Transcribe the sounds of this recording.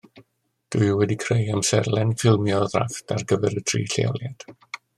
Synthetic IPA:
d̥uɨwɛdikʰrejamsɛrlˠɛnfɪlˠmjɔðra̰fdʰarɡəvɛɾədʰrḭːɬḛjɔ̰lˠjad̥

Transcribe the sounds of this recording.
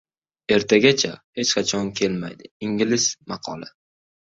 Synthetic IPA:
e̞ɾt̪ʰaɡʲat͡ʃʰahe̞t͡ʃqʰɑt͡ʃʰɒnkʲʰe̞lmajd̪ɪɪŋɡʲɪlɪsmɑqʰɒ̰lˠa̰

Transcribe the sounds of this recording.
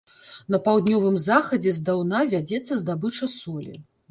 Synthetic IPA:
nɐpawd̪nʲɔvɨmzaxɐd͡zʲɛzd̪awnavʲad͡zʲɛt̪sːɐzd̪abɨt͡ʂɐsɔlʲḭ

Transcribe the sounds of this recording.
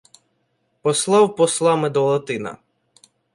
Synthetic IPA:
pɔslˠɑwpɔslˠɑmed̪ɔlˠɐt̪ɪnɐ̰

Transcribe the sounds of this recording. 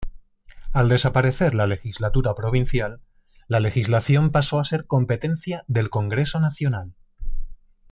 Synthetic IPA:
ald̪e̞sapaɾe̞θe̞ɾlale̞xizlat̪uɾapɾo̞β̞in̟θjalː | ale̞xizlaθjo̞mpaso̞ase̞ɾko̞mpe̞t̪ẽ̞n̟θjaðe̞lko̞ŋɡɾe̞so̞naθjo̞nal

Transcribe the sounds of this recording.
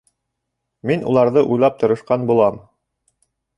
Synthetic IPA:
minṵlˠɑɾðɤʔujlˠɑp̚t̪ɤ̆ɾɤ̆ʃqɑnbulˠɑm

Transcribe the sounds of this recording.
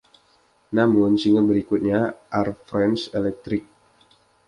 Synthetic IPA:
namʊnsiŋət̪̚bəɾikut̪̚ɲaʔarfɾɛnselɛk̚t̪ɾɪk̚

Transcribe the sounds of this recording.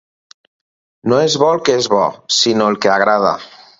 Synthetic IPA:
noezβɔlkeezβɔ̰sinoelˠkeaɣ̞ɾað̞a̰

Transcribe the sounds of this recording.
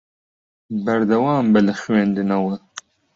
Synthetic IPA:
bɐɾd̪ɐwaːmbɛlɨxɥeːnd̪ɨnɐwɐ

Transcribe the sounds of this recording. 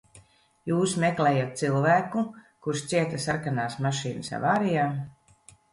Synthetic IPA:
juːsmeklɛːjat̪̚t̪silˠvæːkukuɾʃt̪siɛt̪asaɾkanaːsmaʃiːnɨsa̰vaːɾijaː

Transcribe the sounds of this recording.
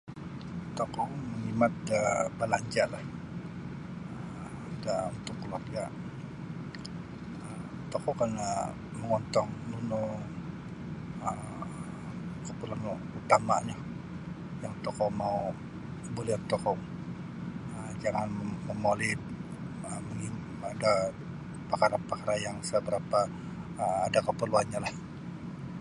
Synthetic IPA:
t̪ɔkɔməŋimat̪̚əbəlaɲd͡ʒalah | əmdaunt̪ʊkːəluarɡa | əm | t̪ɔkɔkanə | məŋɔnt̪ɔŋnuno | əm | kəpulanu | ut̪ama̰ʔɲa | jaŋt̪ɔkɔmau | bolɛht̪ɔkɔ | əd͡ʒaŋanməmolɪt̪̚ | əməŋim | ada | pakaɾapakaɾajaŋsəbəɾapa | adakəpərluanɲalah

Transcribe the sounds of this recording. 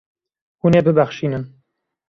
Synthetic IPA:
hunebɨbæxʃiːnɨn

